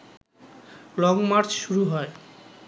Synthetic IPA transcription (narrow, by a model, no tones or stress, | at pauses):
lɔŋmaɾt͡ɕʃuɾuɦɔe